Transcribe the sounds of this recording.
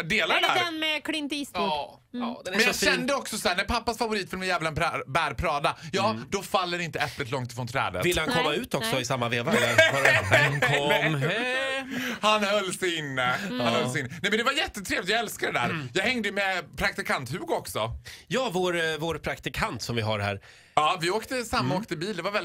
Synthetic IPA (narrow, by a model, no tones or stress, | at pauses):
d̪eːlaæːd̪ɛnmɛkʰlɪnt̪ɪs | d̪mɛnjaɡʃɛnd̪əɔksɔsɔhæːɳnæɾpʰapːasfavʊɾiːt̪fœɾmɪnjɛːvlaɛbæːɾpʰɾɑːd̪ajɑːd̪ɔfalːəɾɪnt̪əɛplɪt̪lɔŋt̪ɪ̥fɾoːnt̪ʰɾɛ̰ːd̪ə̰vɪlːəhankʰɔmːaʉ̟ːt̪ɔksɔɪsamːaveːva | hanhœlːsɛɪnːəhhanhœlsɛɪɪnːəɛɪmɛnd̪ɛvaɾjɛt̪ːət̪ʰɾeːvlɪt̪jɑɡɛlskad̪ɛd̪æ̰ːɾjɑːɡhɛŋd̪əmɛpʰɾak̚t̪ɪkʰant̪hʉ̟ːɡɔksɔjɑːvoːɾvoːɾpʰɾakt̪ɪkʰant̪sɔmvɪɦa̰ɾɦæ̰ːɾ | ɑːvɪoːkt̪əsamːaoːk̚t̪əbiːld̪ɛvaɾvɛl